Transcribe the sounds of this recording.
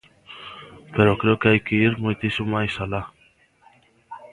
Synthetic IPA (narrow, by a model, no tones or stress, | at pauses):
peɾokɾeokeajkeiɾmujt̪isumajsala